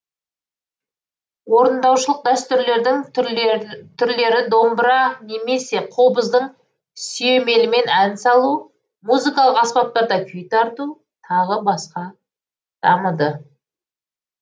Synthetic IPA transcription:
wo̞ɾənd̪ɑwʃəlˠəq̚d̪æst̪ʏɾle̞ɾd̪ɪŋ | t̪ʰʏɾle̞ɾɪd̪o̞mbɾɑne̞me̞se̞qʰo̞bəzd̪əɴ | sijeme̞lɪme̞nænsɑlˠu | muzikɑlˠəqɑspɑp̚t̪ɑɾd̪ɑkʲʰʏjt̪ʰɑɾt̪u | t̪ʰɑʁəbɑsqɑ | d̪̥ɑ̰məd̪ə

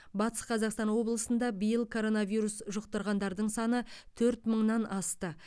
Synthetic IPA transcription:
bɑt̪ə̥sqʰɑzɑqst̪ɑnwo̞blˠəsənd̪ɑbəjəlˠkʰo̞ɾo̞navijɾusʒʊqt̪əɾʁɑnd̪ɑɾd̪əɴsɑnət̪ʰɵɾt̪məɴnɑnɑst̪ə

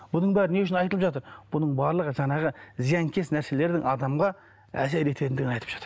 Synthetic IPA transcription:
b̥ʊnəɴbæɾɪneʊʃ̬ɪnɑjt̪əlˠəpʒɑt̪əɾb̥ʊnəɴbɑɾlˠəʁəʒɑɴɑʁəzijɑŋkʲʰesnæɾse̞le̞ɾd̪ɪŋʔɑd̪ɑmʁɑ | æ̰seɾe̞t̪ʰet̪ɪnd̪ɪɡʲɪnɑjt̪əpʒ̥ɑ̥t̪ə̥ɾ

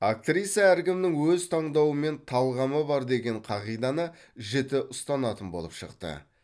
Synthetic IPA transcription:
ak̚t̪rʲijt̪sijaæɾkʲɪmnɪŋwɵzt̪ʰɑɴd̪ɑwəme̞nt̪ʰɑlˠʁɑməbɑɾd̪e̞ɡʲe̞ɴqʰɑʁijd̪ɑnə | ʒe̞t̪ɪʔʊst̪ɑnɑt̪ənbo̞̰lˠə̰pʃə̰qt̪ə̰

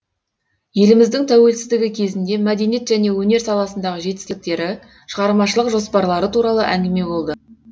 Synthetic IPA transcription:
je̞lɪmɪzd̪ɪŋt̪ʰæwe̞lsɪzd̪ɪɡʲɪkʲʰe̞zɪnd̪e̞mæd̪e̞nije̞t̪ʒæne̞wɵne̞ɾsɑlˠɑsənd̪ɑʁəʒe̞t̪ɪ̥st̪ɪk̚t̪e̞ɾɪ | ʃəʁɑɾmɑʃəlˠəqʒo̞spɑɾlˠɑɾət̪uɾɑlˠə̰ʔæŋɡʲɪme̞bo̞lˠd̪ə

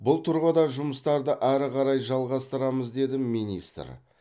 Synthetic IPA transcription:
bʊlˠt̪ʰʊɾʁəd̪ɑʒʊməst̪ɑɾd̪əʔæɾɪqʰɑɾɑjʒɑlˠʁɑst̪əɾɑməzd̪e̞d̪ɪminist̪ə̰ɾ

